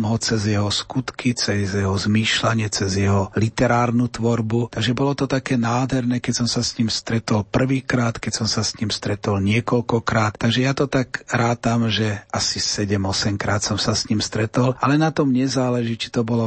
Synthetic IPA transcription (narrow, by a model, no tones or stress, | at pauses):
mɦɔt͡sɛzjɛɦɔskut̪kʰit͡sɛzjɛɦɔzmiːʃlaɲɪɛt͡sɛzjɛɦɔlit̪ɛɾaːɾnut̪ʋɔɾbut̪aɡʒɛbɔlɔt̪ɔt̪akɛːnaːd̪ɦɛɾnɛkɛcsɔmsasɲimst̪ɾɛt̪ɔlpr̩ʋiːkɾaːt̪kɛcsɔmsasɲimst̪ɾɛt̪ɔlɲɪɛkɔlkɔkɾaːt̪tːaɡʒɛjat̪ɔt̪aɡɾaːt̪amʒɛʔasisɛɟɛmɔsɛmkɾaːt̪sɔmsasɲimst̪ɾɛt̪ɔlalɛnat̪ɔmɲɛzaːlɛʒiːt͡ʃi̥t̪ɔbɔlɔ